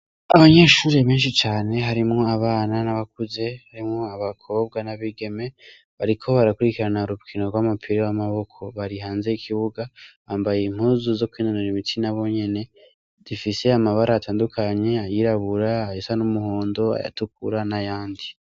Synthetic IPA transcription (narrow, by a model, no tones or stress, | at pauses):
aβaɲe̞ːʃuːɾiβeːnʃit͡ʃaːne̞ɦaɾimŋo̞aβaːnanaβak̚uze̞haɾimŋoaβakʰo̞b̚ɡanaβiɡe̞me̞ | βaɾikʰo̞βaɾakuɾikiɾanaɾuβkʰinoɾɡwamupʰiɾewamaβo̞kʰo̞βaɾiɦaːnzeikʰiβuɡaβaːmbajeim̥huzuzo̞kwiːnanoɾimitʰinaβo̞ɲe̞ne̞ | z̥ifise̞amaβaɾaːtʰaːndukʰaɲe̞ajiɾaβuɾaːjisanumuhoːndo̞a̰ja̰tuk̚uɾanajaːndi